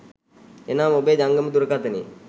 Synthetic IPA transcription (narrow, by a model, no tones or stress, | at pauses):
enaːmobeːd͡ʒaŋɡəməd̪uɾəkat̪ənḭ